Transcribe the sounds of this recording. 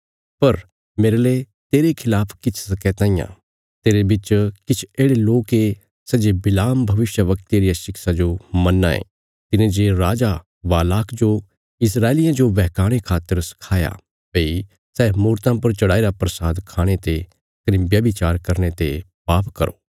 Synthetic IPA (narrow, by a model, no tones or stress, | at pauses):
pɐɾ | meːɾelei | t̪eːɾekʰɪlaːpʰkɪt͡ʃʰsɐkɛt̪ãːĩjã̰ | t̪eːɾebɪt͡ʃkɪt͡ʃʰeːɽeloːke | sɛd͡ʒebɪlaːmbʱɐʋɪʃjəʋɐkt̪eɾijaʃɪksad͡ʒomɐnːa̰ːḛ̃ː | t̪ɪnẽd͡ʒeɾaːd͡ʒa | ʋaːlaːkd͡ʒo | ɪs̬ɾaːelɪjãd͡ʒoʋɛːkaːɽ̃ekʰaːt̪ːəɾsɐ̥kʰaːja̰ | pei | sɛːmuːɾt̪ãpɐɾt͡ʃɐɽaːiɾapɾɐsaːd̪kʰaːɽ̃et̪e | kɐnibjɐbit͡ʃaːɾkɐɾñet̪e | baːpkɐɾo̰ː